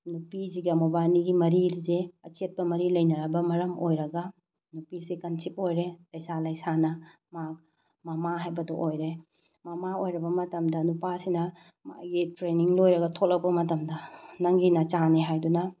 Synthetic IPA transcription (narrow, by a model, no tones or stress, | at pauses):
nupisiɡɐmobajniɡimɐɾiɾzeɐt͡ʃet̚pɐmɐɾilɐjnɐɾɐbɐmɐɾɐmojɾɐɡɐ | nupisikɐnsip̚ojɾelɐjsalɐjsanɐ | mak̚ | mɐmaɦajbɐdoʔojɾe | mɐmaojɾɐbɐmɐtɐmdɐnupasinɐ | ma̰ɡitɾeniŋlojɾɐɡɐtʰolɐk̚pɐmɐtɐmdɐnɐŋɡinɐt͡ʃaneɦajdunɐ